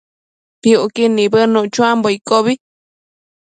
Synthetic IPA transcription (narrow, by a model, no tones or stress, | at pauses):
piukinĩbənũʔt͡ʃũamboikoβi